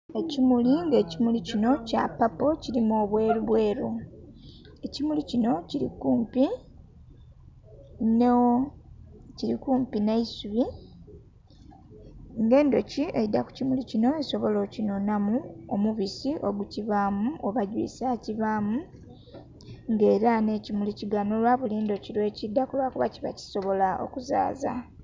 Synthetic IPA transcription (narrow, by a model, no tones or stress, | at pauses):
e̞cimuliŋɡe̞ːcimulicino̞ca̰papo̞ciɾimoːβwe̞ːɾuβwe̞ːɾo | e̞cimulicino̞ciɾḭkuːmpi | n | ciɾikuːmpinaisuβi | ŋɡe̞ːndo̞cie̞̰idːaku̥cimulicino̞eso̞βo̞lo̞cino̞namuomuβisiʔo̞ɡuciβaːmuʔoβaɟwḭːsaciβaːmu | ŋɡe̞ːɾane̞ːcimuliciɡano̞lwaβuliːndo̞ciɾwe̞cidːakulwakuβa̰ciβa̰ci̥so̞βo̞lao̰kuza̰ːza̰